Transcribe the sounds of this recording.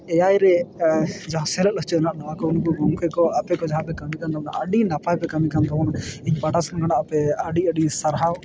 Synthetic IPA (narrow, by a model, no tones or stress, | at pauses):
ɛjajɾɛ | d͡ʒaɦãsɛləʔ̪lɔɦt͡ʃɛnaʔnawakɔunkɔɡɔŋkɛkɔapɛkɔd͡ʒaɦãpɛkamikand̪ɔna̰ʔəɖinapajpɛkamikand̪ɔɔniɲpaʈasɔnɔɡanaʔapɛəɖiəɖisaɾɦaw